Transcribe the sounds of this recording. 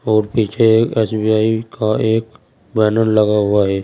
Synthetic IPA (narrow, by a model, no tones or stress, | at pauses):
ɔːɾpiːt͡ʃʰeeːsbiːaːikʰaeːk | bɛːnəɾləɡaɦʊaɦɛː